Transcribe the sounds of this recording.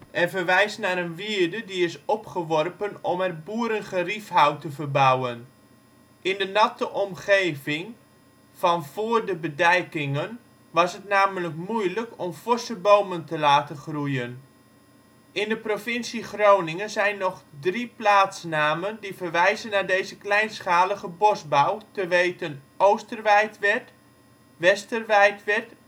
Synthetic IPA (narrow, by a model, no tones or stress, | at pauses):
ʔɛrvərʋɛjsnaːɾənʋiədədiɪsɔpχəʋɔrpənɔmɛrbuəɾənχərifɦawtəvərbawən | ʔɪndənɑtəʔɔmχeːvɪŋ | v̥ɑnv̥ʊːrdəbədɛjkɪŋən | ʋɑsətnaːmələkmujləkɔmfʊsəbowməntəlaːtənχrujən | ɪndəprofɪnsiχrownɪŋənzɛjnːɔχdriplaːtsnaːməndivərʋɛjzənaːɹdejzəklɛjnsχaːləχəbɔsbawtəʋejtənʔowstərʋɛjtʋɛt | ʋɛstərʋɛjtʋɛrt